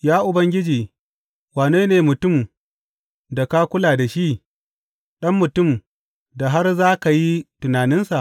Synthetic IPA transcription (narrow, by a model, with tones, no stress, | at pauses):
jaː˦ʔʊ˨bɐ˦ŋɡʲɪ˦d͡ʒiː˨ | waː˨neː˦neː˨mʊ˨tʊ˦˨m | da˨ka˦kʷʊ˦laː˨da˨ʃi˦ʔ | ɗɐ˦mːʊ˨tʊ˦˨m | da˨ɦa˦rzaː˦ka˨ji˦tʊ˨naː˨nɪ˦nsa˨ʔ